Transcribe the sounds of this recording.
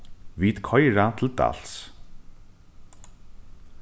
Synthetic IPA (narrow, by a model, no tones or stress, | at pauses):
vit̪kʰɔjɹat̪ʰɪlt̪a̰l̥s